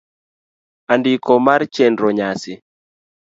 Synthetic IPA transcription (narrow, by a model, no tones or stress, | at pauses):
andikɔmaɾt͡ʃɛndɾɔɲasɪ